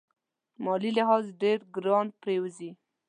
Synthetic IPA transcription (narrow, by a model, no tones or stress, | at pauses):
mɑlilɪɦɑzɖeɾɡɾɑnpɾewzi